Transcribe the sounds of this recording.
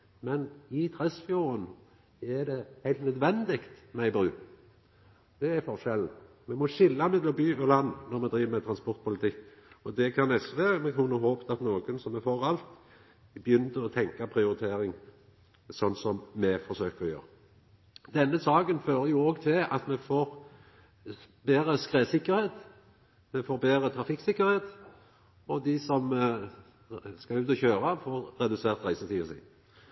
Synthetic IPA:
mɛnɪt̪ʰɾɛsfjuːɾən | æd̪ɛhæɪlt̪nœd̪ʋɛnd̪ɪkt̪mæɪbɾʉː | d̪̥ɛæfɔʁʃɛln̩ | mɛmɔʃɪlːɑmɛd̪ɔbyːɔlɑnːnɔɾmɛd̪ɾiːʋəmɛt̪ʰɾɑnspɔɾt̪̚pʊlɪt̪ʰɪkːɔd̪ɛkʰɑnɛsʋeːɾəmɛkʰʊnəɦoːpət̪ʰɑt̪noːɡənsɔmɛfoʁɑlt̪ | bjʏnd̪əɾɔt̪ʰɛŋkɑpʰɾɪʊɾɪt̪ʰeːɾɪŋ | sɔnsɔmmɛfɔsøːkəʁɔjø̰ːɾ | d̪ɛnːəsɑːɡənføːɾəjʊoːɡt̪ʰɪlɑ̰t̪mɛfoːʁ | beːɾəskʁeːsɪkːəɾheːt̪ | mɛfoːɾbeːɾət̪ʰɾɑfɪkːsɪkːəɾheːt̪ | ɔd̪ɪsɔm | skɑʉːt̪ɔçøːɾɑfoːʁɾɛd̪ʉseːʁt̪ʁæɪsət̪ʰiːsḭ

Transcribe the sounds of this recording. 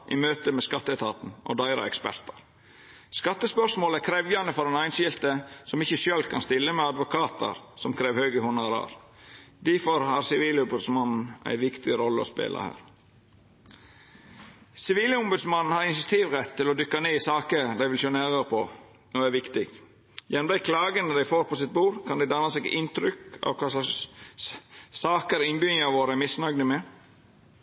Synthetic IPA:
ʔɪ̰møːt̪əmɛskɑt̪ːəɛt̪ʰɑːt̪n̩ɔ̰d̪æɪɾɑ̰ɛ̰kspæ̰ɾt̪ɑɾ | skɑt̪ːəspœʂmoːlækʰɾɛʋjɑnəfɔɾɛnæɪnʃɪlt̪əsɔmɪçəʃøːlkʰɑnst̪ɪlːəmɛɑd̪ʋʊkʰɑːt̪ʰɑ̰ɾsɔmkʰɾeːʋhøːɡəhʊnɑɾɑ̰ɾ | d̪ifɔɾhɑɾsɪʋiːlʊmbʉd̪smɑnn̩ʔæ̰ɪʋɪkt̪ɪɾɔlːəɔ̰spḛːlʔɑ̰hæ̰ːɾ | sɪʋiːlʊmbʉd̪smɑnn̩hɑɾɪnsɑt̪ʰiːʋɾɛt̪ʰːɪlɔd̪ʏkːɑneːɪsɑːkəɾd̪æɪʋɪlʃøːnæɾəɾpʰɔ | ɔæɾʋɪkt̪ɪkt̪ | jænmd̪æɪkʰlɑːɡənəd̪æɪfoːɾpʰɔsɪt̪̚buːɾkʰɑnd̪æɪd̪ɑnɑsɛɡɪnt̪ɾʏkɑ̰ʋkʰɑ | sɑːkəɾɪnbʏŋɑʋoːɾəæmɪsnɑɡnəmɛ

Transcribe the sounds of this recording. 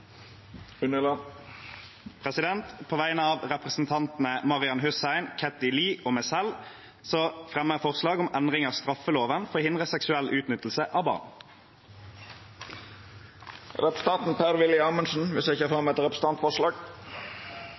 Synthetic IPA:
ʉnəlɑ | pʰʁɛsɪd̪ɛnt̪pʰoːʋæɪnəɑːʋʁɛpʁəsn̩t̪ʰɑnt̪n̩əmɑʁɪɑnhʉsæɪnkʰɛt̪ɪliːʔoːmɛsɛl | soːfʁɛməfɔʁslɑːɡʊmɛnʁɪŋɑːst̪ʁɑfəloːʋənfɔhɪnd̪ʁəsɛksʉɛlʔʉːt̪nʏt̪l̩səʔɑːʋbɑ̰ːʁn | ɾɛpəst̪ʰɑnt̪n̩pʰæɾʋɪlɪɑːmənsn̩ʋɪsɪçəfɑmɛt̪ɾɛpɾəs̩n̩ɑnt̪fɔʂlɑːɡ

